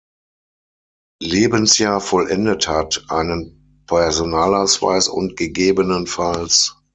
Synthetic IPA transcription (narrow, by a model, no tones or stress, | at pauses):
leːbənsjaːɐfɔlʔɛndəthatʔaɪnən | pʰɛɐzonaːlaʊsv̥a̰ɪsʊ̰ntɡ̥əɡeːbənənfals